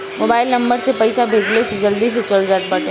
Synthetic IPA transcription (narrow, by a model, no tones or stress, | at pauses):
moːbaːɪlnɐ̃mbəɾsepɐɪsabʱeːd͡ʒlesed͡ʒɐld̪is̬et͡ʃɐld͡ʒaːt̪̚bɐʈẽ